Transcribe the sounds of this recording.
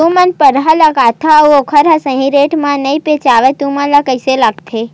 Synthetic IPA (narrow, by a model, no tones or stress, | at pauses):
ũmənpəɾɦalakat̪ʰauokʰəɾasə̃ɦĩɾeʈmãnəipet͡ʃaʋet̪ũmãlakəjselaɡt̪ʰe